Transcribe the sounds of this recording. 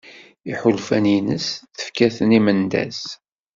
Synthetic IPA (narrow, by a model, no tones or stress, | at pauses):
iħʊlfænjinəsθə̥fkæθənimənd̪æ̰s